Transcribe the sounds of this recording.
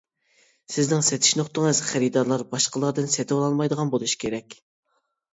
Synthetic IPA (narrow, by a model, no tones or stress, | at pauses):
sɪznɪŋsɛt̪ʰɪ̥ʃnoχt̪əŋɨz̥χæɾid̪ɑɾlˠɑɾbɑʃqəlˠɑɾd̪ɨnsɛt̪ʰɪwɑlˠɑlˠmɑjd̪əʁɑnbolˠuʃi̥kʲʰeɾɛkʲ